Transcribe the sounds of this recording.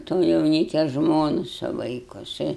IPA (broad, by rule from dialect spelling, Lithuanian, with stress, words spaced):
toː jɛʊˈnʲiːkʲɛ ˈʒmoːnʊ sʊ ˈʋɐɪkʊ jɪˈsɐɪ